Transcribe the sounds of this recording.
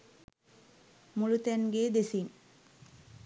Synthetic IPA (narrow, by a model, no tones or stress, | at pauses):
mulut̪ænɡeːd̪esiŋ